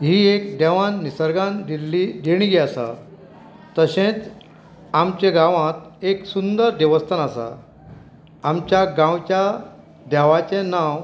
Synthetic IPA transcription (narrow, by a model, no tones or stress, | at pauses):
ɦiːekd̪ɛʋãnːisəɾɡãnilid̪eɽ̃ĩɡeasa̰ | t̪əɕẽt͡s | amt͡ɕẽɡãʋãt̪eksund̪əɾd̪eʋəst̪ʰənasa̰ | mt͡ɕjaɡãwt͡ɕja | d̪ɛʋat͡ɕẽnaw